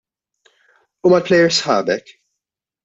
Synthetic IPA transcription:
uːmɐlplɛjːɛɾsħɐ̰ːbɛk

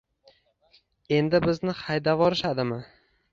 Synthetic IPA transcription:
e̞nd̪ɪbɪznɪχajd̪avɒɾɪʃad̪ɪmɪ

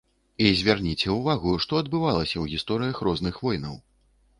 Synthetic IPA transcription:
izʲvʲarnʲit͡sʲɛwvaɣuʂt̪ɔɐd̪bɨvalˠɐsʲɐwɣʲist̪ɔɾɨjɐxrɔznɨxvɔjnɐ̰w

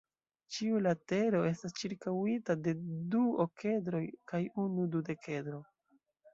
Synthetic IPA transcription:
t͡ʃiulate̞ɾo̞e̞stast͡ʃiɾkawitade̞duoke̞dɾo̞jkajunudude̞ke̞dɾo̞

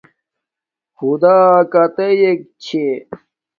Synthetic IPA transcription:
xud̪aːkɐt̪ejek̚t͡ɕʰe

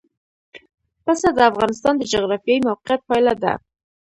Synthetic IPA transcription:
pəsad̪əafɣɑnɪs̬t̪ɑnd̪əd͡ʒʊɣɾɑfjɑimawqijat̪̚pɑjlad̪a̰

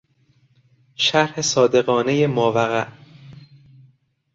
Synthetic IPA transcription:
ʃæɾhe̞sɒːd̪e̞ɣɒːne̞jemɒːvæɣæʔ

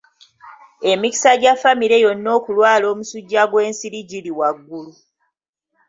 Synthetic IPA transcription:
e̞mici̥saɟafːamiɾe̞jo̞nːo̞ːkulwaːlo̞ːmusuɟːaɡwe̞ːnsiɾiɟiliwaɡːulu

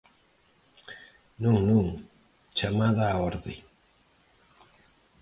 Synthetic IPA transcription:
nũŋnũŋ | t͡ʃamaðaːɔɾðe

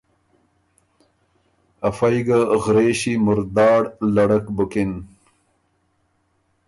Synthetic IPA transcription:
ɐfɐjɡaɣɾeːɕimʊɾd̪ɑːɽlɐɽɐkbukin

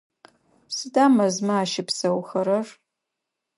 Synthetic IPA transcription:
sɨdaːmɐzmaaːʃɪpsɐwxɐɾɐr

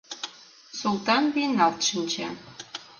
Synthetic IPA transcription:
sulˠt̪ɑnβenɑlˠt̪ʃənʲt͡ɕɑ

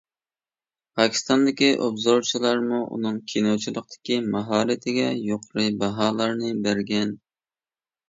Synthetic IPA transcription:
pʰɑkʲʰi̥st̪ɑnd̪ɪkʲiʔobzoɾt͡ʃʰilˠɑɾmuʔṵnɨŋkʲʰinowt͡ʃʰilˠəq̚t̪ʰɪ̥kʲimɑɦɑːɾɪt̪ʰɪɡʲɛjoqʰʊɾɨbɑɦɑːlˠɑɾnɨbæɾɡʲɛn

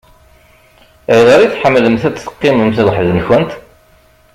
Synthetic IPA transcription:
ɾðəɾiθħəmːləmθæt͡sːə̥qːɪməmθðˤħðnçænt̪

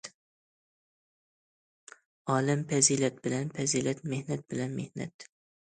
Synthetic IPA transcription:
ɒːlɪmpazilat̪̚bɪlanpʰazilat̪mehnat̪̚bɪlanmehna̰t̪

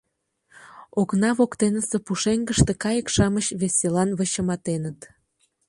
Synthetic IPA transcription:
oknɑβokt̪enəsepuʃeŋɡəʃt̪ekɑjəkʃɑməɕβesʲelɑnβəɕəmɑt̪enət̪

